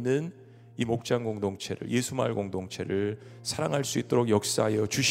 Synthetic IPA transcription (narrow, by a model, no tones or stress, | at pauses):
nːɯn | imok̚t͡ɕ͈aŋɡoŋdoŋt͡ɕʰḛɾɯ̰ɭje̞sʰuma̰ɭɡoŋdoŋt͡ɕʰe̞̰ɾɯɭ | sʰaɾaŋɦaɭs͈uit̚t͈oɾoɡjʌk̚s͈aɦajʌt͡ɕuɕ